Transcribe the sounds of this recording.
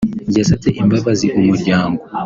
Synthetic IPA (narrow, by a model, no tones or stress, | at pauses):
ɟasatɛʔimbaβaziʔumuɟaːŋɡu